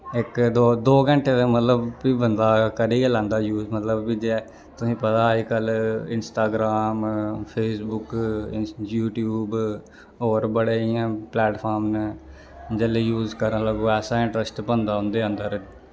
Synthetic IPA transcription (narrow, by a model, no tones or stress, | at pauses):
ɪkd̪oːd̪oːɡə̃ɳʈʰeːd̪ẽmət̪ləbːiːbənd̪aːkəɾiːɡeːlãːnd̪aːjuːzmət̪ləbːid͡ʒeː | t̪ʊsĩːpət̪aːikəlɪnsʈaːɡɾaːmpʰeːsbʊk | juːʈjuːb | oːɾbəɽeːiãːplɛːʈpʰaːɾmn | d͡ʒəleːjuːzkəɾə̃ləɡoːɛːsaːɪ̃ɳʈɾəsʈpənd̪aːɦʊ̃nd̪eːə̃nd̪əɾ